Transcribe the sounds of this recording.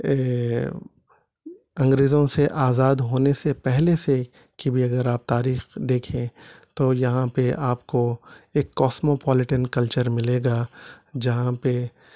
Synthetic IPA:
ɐ̃ŋɡɾeːzõseʔaːzaːd̪ɦoːnesepɛɦlese | kibʱiɐɡəɾaːp̚t̪aːɾiːxd̪eːkʰẽt̪ojɐɦãpeʔaːpkoeːkːɔːsmopɔːlɪʈənkɐlt͡ʃəɾmɪleːɡaːd͡ʒɐɦãpe

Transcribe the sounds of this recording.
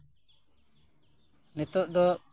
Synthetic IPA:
nɛt̪ɔʔd̪ɔ

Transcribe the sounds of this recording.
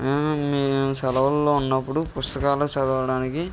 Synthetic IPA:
misɐlɐʋɐlːoːunːɐpːuɽupust̪ɐkaːlut͡ʃɐd̪ɐʋɐɽaːniki

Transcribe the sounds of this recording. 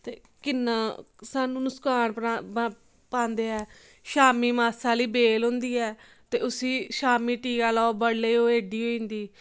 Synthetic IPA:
t̪ḛː | kɪnːãː | saːnũːnʊskaːnpa | pãːnd̪eːɛː | ʃaːmiːmaːsaːliːbeːlɦõːnd̪iːɛː | t̪eːʊsĩːʃaːmiːʈiːɡaːlɔːbəɽleːoːɦeːɖiːɦoːĩːnd̪iː

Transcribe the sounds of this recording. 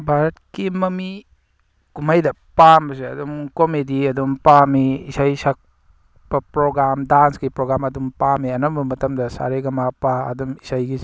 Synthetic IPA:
bʱaɾɐtkimɐmi | kumajdɐ | pambɐseɐdumkomediɐdumpamiisajsak̚ | b̥ɐpɾoɡɾamdansɡipɾoɡɾamɐdumpamiɐnɐmbɐmɐtɐmdɐsa̰ɾeɡɐmapaɐ̰dumisajɡi

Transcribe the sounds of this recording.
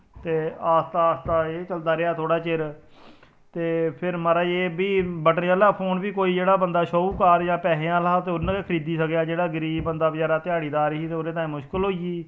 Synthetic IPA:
t̪eːaːst̪aːst̪aːeːt͡ʃəld̪aːɾɪaːt̪ʰoːɽaːt͡ʃɪɾ | t̪eːpʰɪɾməɾaːeːbiːbəʈnjaːlaːpʰoːnbiːkoːiːd͡ʒeːɽaːbənd̪aːʃoːuːkaːɾjãːpɛːɦẽãːlaːt̪eːʊñːekʰəɾiːd̪iːsəkjaːd͡ʒeːɽaːɡəɾiːbənd̪aːbɪd͡ʒaːɾaːt̪ɪjaːɽiːd̪aːɾɪiːt̪eoɾẽːt̪ãːĩːmʊʃkəlɦoːiːiː

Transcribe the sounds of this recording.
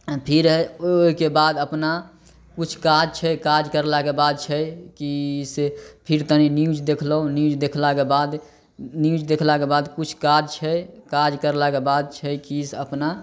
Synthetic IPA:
pʰiɾɦɛoikebad̪əpna | kut͡ʃʰkad͡ʒt͡ʃʰɛkad͡ʒkəɾlakebad̪̚t͡ʃʰɛkisepʰiɾt̪əniniud͡ʒd̪ekʰləɦõniud͡ʒd̪ekʰlakebad̪ | niud͡ʒd̪ekʰlakebad̪kut͡ʃʰkad͡ʒt͡ʃʰɛkad͡ʒkəɾlakebad̪̚t͡ʃʰɛkisəpna

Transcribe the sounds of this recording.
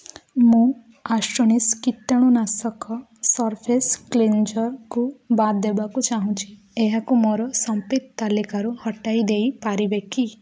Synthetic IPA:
mũ | aʃɾɔñiskiʈ̪ːəɽ̃ũnasɔkɔ | sɔɾpʰesklend͡ʒɔɾkubat̪d̪ebakut͡ʃaɦũt͡ʃʰi | eɦakumɔɾɔsɔmpit̪t̪alikaɾuhɔʈaid̪eipaɾibeki

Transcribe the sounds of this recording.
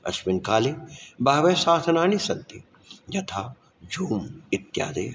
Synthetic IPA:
ɐ̰ʃmɪnkaːlebaːʋeːsaːt̪ʰnaːnisɐnt̪i | d͡ʒɐt̪ʰa | d͡ʒʱuːmɪt̪ja̰ːd̪ḛː

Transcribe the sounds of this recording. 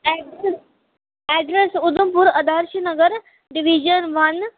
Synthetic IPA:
ɛ | ɛɖɾesud̪umpuɾəd̪ʱaɾɕinəɡəɾ | ɖiʋid͡ʑənʋɐn

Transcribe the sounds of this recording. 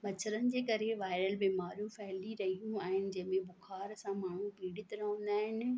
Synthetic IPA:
mɐt͡ɕʰəɾənɪ̆d͡ʑeːkɐɾeʋaːɪɾəlbiːmaːɾjũfɐɦliɾɐɦijũaːɦɪnɪ̆d͡ʑɐ̃ɦɪ̃mẽbʊxʰaːɾsãmaːɳ̤ũpiːɽɪt̪ɾɐɦə̃n̆d̪aːɦɪnɪ̆

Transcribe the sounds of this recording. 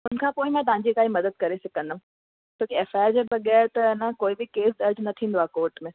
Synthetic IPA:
ʊn̤ə̆kʰãːpoːɪmãːt̪ɐɦãɲd͡ʑikaːɦimɐd̪əd̪̚kɐɾesɐkə̃nd̪aũ | t͡ɕoːkieːfaːɪɾd͡ʑeʋɐɠɛːɾt̪ɐɪnãkoːibɪkeːs̬d̪ɐɾd͡ʑnɐt̪ʰĩːn̆d̪oaːkoːɾʈmẽ

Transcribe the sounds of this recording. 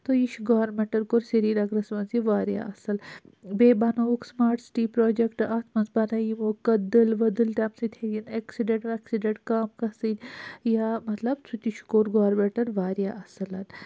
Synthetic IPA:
t̪ojiʃʰuɡoːɐɾmeɳʈɐɾkoɾseɾiːɾɐɡɾɐsʋɐnziʋaːɾja̰ɐsɨl | beːbɐnoːksmaːɾʈsi̥ʈiːpɾoːd͡ʒekʈɐt̪ʰmɐnsbɐnɐjimukɐd̪ɨlʋɐd̪ɨlʈ̪ʲɐmsit̪ʰeɡʲineksiɖeɳʈʋɐksiɖeɳʈkaːmkɐsɨd̪ʲjamɐt̪lɐbt͡sʰut̪ʲit͡ʃʰu̥koːɾɡoːɾmeʈɐɾʋaːɾija̰ʔɐsɨlɐt̪

